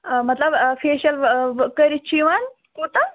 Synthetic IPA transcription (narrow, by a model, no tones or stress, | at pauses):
mɐt̪ləbfeːɕɐlkəɾit͡ɕʰiʋan | kuːt̪a